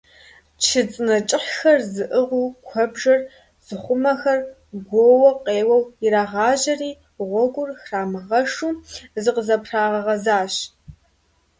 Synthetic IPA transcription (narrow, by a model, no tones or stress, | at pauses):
t͡ʃʰɨt͡sʼɨnɐt͡ʃʼɪħxɐrzɨʔɨʁʷuːkʷʰɔbʒɐr | z̥ɨχʷʊmɐxɐr | ɡʷoːwɐqeːwɐwɪɾaːʁɑːʒɐriː | ʁʷɔɡʷʼʊrxraːmɨʁɐʂuːzɨqəzɐpʰr̥aːʁɐʁɐzaːɕ